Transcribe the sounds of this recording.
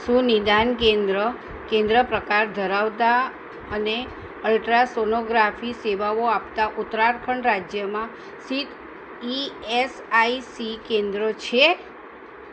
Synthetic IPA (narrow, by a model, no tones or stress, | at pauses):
sũnid̪ankẽnd̪ɾə | kẽnd̪ɾəpɾəkaɾd̪ʱəɾaʋt̪a | əne | əlʈɾasonoɡɾafiseʋaʋoapt̪aʔʊt̪ɾaɾkʰəɳɾad͡ʒjəmã | sit̪ | iesaisikend̪ɾot͡ʃʰe